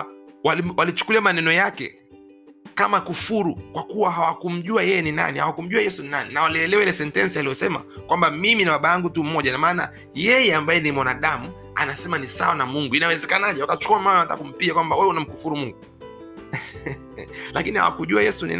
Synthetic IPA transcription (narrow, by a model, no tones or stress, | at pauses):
waliwʔalit͡ʃu̥kuliamanɛnɔjakɛ̰ | kamakufuɾukwakuwaɦawakum̩ʄuajɛjɛnina̰niha̰wakum̩ʄuajɛsuninaninawaliɛlɛwailɛsɛntɛnsialijɔsɛma̰kwambamiminaɓaɓajaŋɡutum̩mɔʄanamaːna̰ | jɛjɛambajɛnimwanaɗamu | a̰nasɛmanisa̰wanamuŋɡuinawɛzɛkanaʄɛwakat͡ʃu̥kuamaːnawata̰kːakum̩piʄakwambawɛɛunam̩kufuɾumuŋɡu | lakiniha̰wa̰kuʄuajɛsunḭn